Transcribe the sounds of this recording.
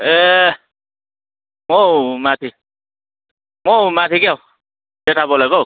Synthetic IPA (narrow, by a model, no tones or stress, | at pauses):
e | momat̪ʰi | momat̪ʰikjaw | deʈʰabɔlaɡo